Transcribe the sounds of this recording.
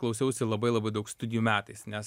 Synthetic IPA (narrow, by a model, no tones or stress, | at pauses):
klˠɐʊsʲɛʊsʲɪlˠɐbɐɪlˠɐbɐɪd̪ɐʊkst̪ʊd̪ʲɪjuːmʲæːt̪ɐɪsnʲɛs